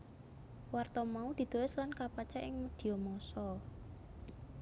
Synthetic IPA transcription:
wart̪ɔmaud̪̥i̤d̪̥o̤wɛslankapat͡ʃaʔɪŋməd̪̥i̤jomɔsɔ

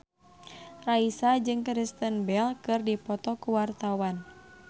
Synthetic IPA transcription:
raisad͡ʒɨŋkɾist̪ənbɛlkɨrdipɔt̪ɔkuwart̪awan

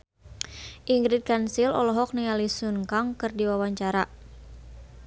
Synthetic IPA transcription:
ʔiŋɡɾit̪̚kansilɔ̰lɔɦɔk̚nialisunkaŋkɨrdiwawaɲt͡ʃaɾa

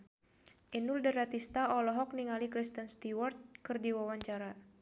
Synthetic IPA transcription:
ʔinuldəɾat̪ist̪aɔlɔɦɔk̚niŋalikɾist̪ənst̪iwart̪̚kɨrdiwawaɲt͡ʃaɾa

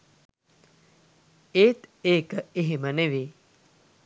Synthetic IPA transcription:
eːt̪eːkeɦiməneʋi

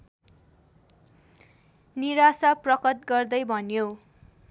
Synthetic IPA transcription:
niɾasaprʌkʌt̪̚ɡʌrd̪ʌjbʱʌnjo

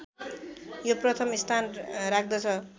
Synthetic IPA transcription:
joprʌt̪ʰʌmist̪ʰanrak̚ʰd̪ʌt͡sʰʌ

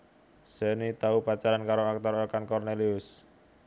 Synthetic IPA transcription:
senit̪aupat͡ʃaɾankaɾoak̚t̪ɔɾɔkankɔrneliʊs

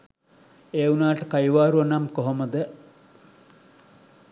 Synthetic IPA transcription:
eːunaːʈəkajʋaːɾuɐnamkoɦoməd̪ə

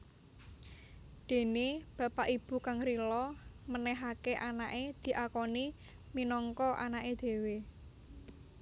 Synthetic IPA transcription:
d̪̥e̤neb̥ä̤paʔib̥ṳkaŋɾilɔmənɛɦakeʔanaʔed̪̥i̤ʔakɔni | minɔŋkɔʔa̰naʔed̪̥e̤we

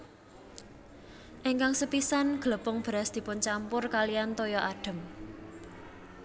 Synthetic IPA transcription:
ʔeŋkaŋsəpisanɡ̥ələpʊŋb̥ɾasd̪̥i̤pʊnt͡ʃampʊrkalijant̪ojɔʔaɖ̥ə̤m

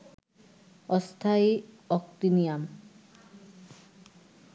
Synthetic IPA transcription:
ɔst̪ʰai | ɔkt̪inijam

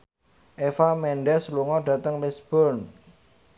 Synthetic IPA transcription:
ʔefamɛɳɖɛsluŋɔɖä̤t̪əŋlisb̥ɔn

